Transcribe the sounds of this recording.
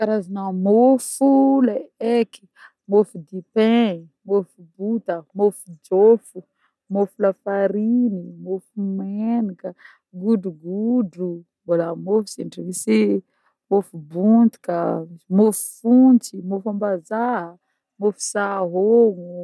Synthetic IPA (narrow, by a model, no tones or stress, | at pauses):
kaɾazanamofulaeki̥ | mofud̪ipẽ | mofubut̪əmofud͡ʒofu | mofulafaɾinimofumenikə | ɡuɖ͡ʐuɡuɖ͡ʐu | bolamofu̥siɳʈ͡ʂivisi | mofubunt̪i̥kəmofu̥funt͡simofambazaɦə | mofu̥saɦoŋu